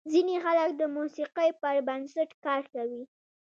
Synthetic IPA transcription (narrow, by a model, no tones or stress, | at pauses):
zinexalak̚d̪əmusiqəjpəɾbansaʈkɑɾkawi